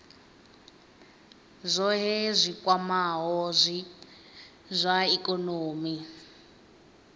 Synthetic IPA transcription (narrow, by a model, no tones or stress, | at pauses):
zʷɔɦɛzʷikwamaɦɔzʷi | zʷaikʼɔnoːmi